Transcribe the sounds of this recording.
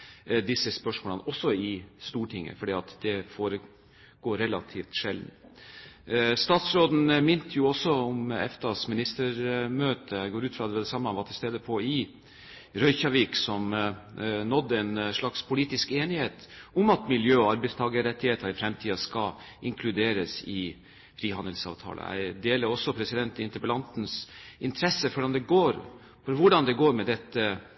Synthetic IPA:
d̪ɪsːəspœʂmoːlənəʔɔsːɔɪst̪uːʈʰɪŋːə̰fɔɖiːɑt̪d̪ɛfoːɾə | ɡ̥oːɾɛlɑ̰t̪ʰiːft̪ʂɛld̪n | st̪ɑːt̪sɾoːd̪n̩mɪnt̪ʰjʊɔsːɔʊmɛ̰ft̪ʰɑsmɪnɪst̪əɾmøːt̪ʰəɡoːɾʉːt̪fɾɑd̪ɛʋɛd̪ɛsɑmːəʋɑːt̪ʰɪlst̪eːd̪əpʰɔɪ | ɾœʏçɑʋiːksɔm | nɔd̪ːəɛɪnʂɭɑkspʰʊliːt̪ɪskeːnɪheːt̪ʊmɑt̪mɪljøːɔɑɾbæɪst̪ʰɑːɡəɾɛt̪ːɪheːt̪əɾɪfɾɛmt̪ʰiːɑskɑ | ʔɪŋkʰlʉd̪eːɾəsɪ | fɾiːhɑnd̪əlsɑ̰ːʋt̪ʰɑ̰ːlə̰æ̰ɪd̪eːləɾɔsːɔpʰɾɛsɪd̪ɛnt̪ɪɪnt̪əɾpəlɑnt̪n̩sɪnt̪ʰɾɛsːəfɔɖɑnd̪ɛɡoːɾ | fɔɾʋʊɖɑnd̪ɛɡoːɾmɛd̪ɛt̪ːə

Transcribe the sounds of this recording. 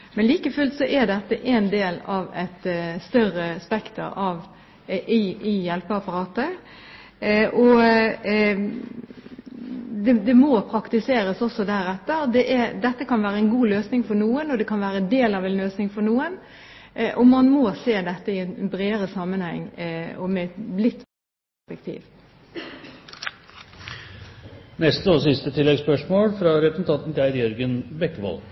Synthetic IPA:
mɛnliːkəfʉlt̪sɔʔɛd̪ɛt̪ːəʔɛnd̪eːlɑʋɛt̪st̪œrəspɛkt̪ə̰ɾɑʋ | ʔɪɪjɛlpəɑpːɑɾɑːt̪ə | ʔɔ | d̪ɛd̪ɛmɔpʰɾɑkt̪ɪseːɾəsɔsːɔd̪æɾɛt̪ːəɾd̪ɛʔɛɾd̪ɛt̪ːəkʰɑnʋæːɾəɛnɡuːløːsnɪŋfɔɾnuːənɔd̪ɛkʰɑnʋæːɾəɛnd̪eːlɑʋɛnløːsnɪŋfɔɾnuːən | ʔɔmɑnmɔseːd̪ɛt̪ːəɪɛnbɾeːɾəsɑmːənhɛ̰ŋːɔmɛt̪lɪt̪ːb | ppææʂpɛk̚t̪ʰḭːʋ | nɛst̪əɔsɪst̪ət̪ʰɪlːɛɡspœʂmoːlfɾɑɾɛpɾəsn̩t̪ɑnt̪n̩t̪ɪæɾɡjœɾɡənbɛkːəʋɑ̰lɡ

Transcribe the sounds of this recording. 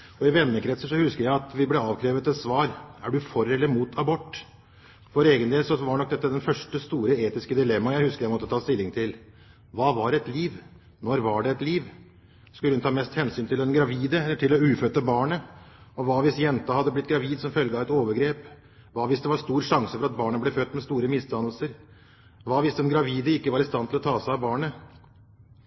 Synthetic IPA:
ɔɪʋɛnːəkʰɾɛt̪səʂɔhʉskəɾjæɪɑt̪ʋɪblɛɑːʋkʰɾeːʋət̪ɛt̪sʋɑːɾæɖʉfɔɾɛlːəɾmuːt̪ʰɑbɔʈː | fɔɾeːɡənd̪eːlsɔʋɑɳɔk̚d̪ɛt̪ːəd̪ɛnfœʂʈəst̪uːɾəeːt̪ɪskəd̪ɪlɛmːɑjæɪhʉskəɾjæɪmɔt̪ːət̪ʰɑːst̪ɪlːɪŋt̪ʰɪl | ʋɑːʋɑɾɛt̪liːʋ | nɔɾʋɑɖɛɛt̪liːʋ | skʉləhʉnt̪ʰɑːmɛst̪hɛnsyːnt̪ʰɪlɛnɡɾɑʋiːd̪əɛəʈʰɪlɔʉːfœt̪əbɑːɳə | ɔʋɑːʋɪsjɛnt̪ɑhɑd̪ːəblɪt̪̚ːɡɾɑʋiːd̪sɔmfœlɡəɑʋɛt̪oːʋəɾɡɾeːp | ʋɑːʋɪsd̪ɛʋɑst̪uːɾʂɑŋsəfɔɾɑt̪̚bɑːɳəblɛføːt̪ːmɛst̪uːɾəmɪst̪ʰɑnəl̩səɾ | ʋɑːʋɪsd̪ɛnɡɾɑʋiːd̪əɪkːəʋɑɾɪst̪ɑnt̪ʰɪlɔt̪ʰɑːsæɪɑʋbɑːɳə

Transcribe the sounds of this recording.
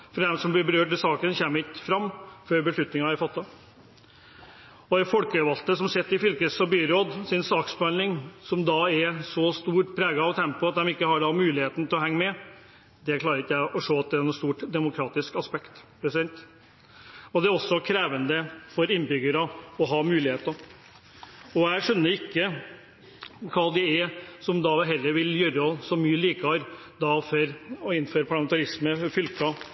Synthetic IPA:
fɾd̪ɛmsɔmb̪ɪbəɾøːʈɪlsɑːkənçæːmːt̪fɾɑmːføːɾbəʂɭʉt̪nɪŋɑæɾfɑt̪ʰːɑ | ɔɛfɔlkəʋɑlt̪əsɔmsɛt̪ːɪfʏlkɾəsɔbyːɾoːd̪sɪnsɑːksbɑnlɪŋsɔmd̪ɑɛɾsɔst̪uːʈpʰɾæːɡəɑʋt̪ʰɛmpʊɑt̪̚d̪ɛmɪkːəhɑɖɑmʉːlɪheːt̪n̩ət̪ʰɪlɔɦhɛŋːəmɛ | d̪ɛklɑːɾəɾɪkːjæɪʔɔʂoːɑt̪̚d̪ɛæɾnuːst̪uːʈd̪ɛmʊkʰɾɑːt̪ɪskɑspɛkt̪pʰɾɛsɪd̪ɛnt̪ | ɔd̪ɛæɾɔsːɔkʰɾeːʋənd̪əfɔɾɪnːbʏɡəɾəɔɦɑmʉːlɪheːt̪ɑ | ɔæɪʂœnːəɾɪkːə | kʰɑːd̪ɪɛɾsɔmd̪ɑʋɦɛlːəɾʋɪljœɾəɔsɔmyːəliːkəhɑɾ | d̪ɑfœɾɔɪnføːɾəpʰɑɭɑmɛnt̪ɑɾɪsməfʏlkɑ

